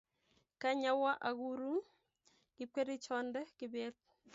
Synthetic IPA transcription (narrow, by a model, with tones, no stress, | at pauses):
kaɲa˦wa˦ʔa˨ɡuɾu˦n | kɪ˦p̚ke˦ɾi˦t͡ʃɔndɛkɪbeːt̚